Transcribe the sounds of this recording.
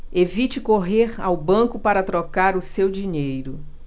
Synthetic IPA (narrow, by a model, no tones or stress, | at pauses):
evit͡ʃɪkoɦeɾa̰wbɐ̃kʊpaɾɐt̪ɾokaɾʊsewd͡ʒiɲejɾʊ